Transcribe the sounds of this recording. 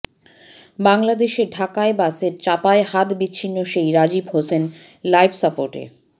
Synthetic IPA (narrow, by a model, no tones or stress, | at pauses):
baŋlad̪eʃeɖʱakaebaseɾt͡ɕapaeɦat̪bitːɕʰinːoʃejɾad͡ʑibɦosen | lajbsapoɾʈḛ